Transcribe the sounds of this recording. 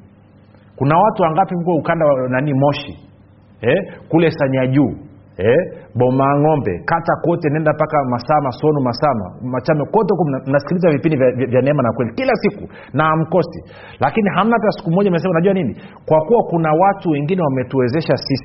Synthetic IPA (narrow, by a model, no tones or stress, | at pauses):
kunawatuwaŋɡapimukwɛukandawananimɔʃi | ɛkulɛsaɲaʄuː | ɛɓɔmaŋɔmbɛ̰katakɔtɛnɛndapakamasamasɔnumasama̰mat͡ʃamɛkɔtɛkum̩nasi̥kilizavipindivavvjanɛɛmanakwɛlikilasiku | nam̩kɔsḭ | lakiniɦam̩napɛasi̥kumɔʄamɛs̬ɛmunaʄuanini | kwakuwakunawatuwɛŋɡinɛwamɛtuwɛzɛʃasisi̥